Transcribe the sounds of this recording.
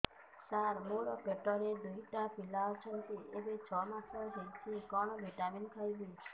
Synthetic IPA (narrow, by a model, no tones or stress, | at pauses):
saɾmoɾɔpeʈɔɾed̪uɦiʈapilaɔt͡ʃʰɔnt̪iebet͡ʃʰɔmat̪ʰɔd͡ʒejt̪ʰikɔɽ̃ɔbʱeʈaminkʰajbi